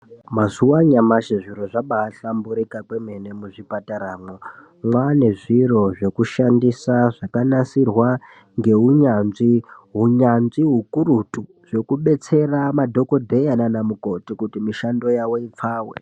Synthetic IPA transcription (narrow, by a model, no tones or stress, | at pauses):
mazuwaɲamaʃeʐiɾo̞ʐaɓaːɬambuɾikakweme̞ne̞muʐipataɾaːmo | mwane̞ʐiro̞ʐe̞kuʃandisaʐ̥akanasirwa | ŋɡe̞ɦuɲanʐiɦuɲanʐiɦukurutu | ʐ̥e̞kuɓe̞t͡se̞ramadʱo̞ko̞dʱe̞jananamuko̞tikutimiʃando̞jawo̞ip͡faːwḛ